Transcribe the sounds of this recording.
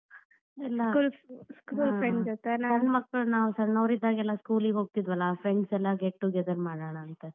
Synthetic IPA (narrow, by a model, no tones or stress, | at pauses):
ɛlːakuːlskuːlfɾeɳd͡ʒot̪ːenaɐnːmɐkːɐɭnaːʋusɐɾnɐʋɾid̪ːaːɡeɛlːaskuːliɡɦo̞ːɡ̚t̪id̪ʋɐlːaːpʰɾeɳɖsɛlːɐɡeʈːuɡɛd̪ɐɾmaːɽaɳaɐnt̪e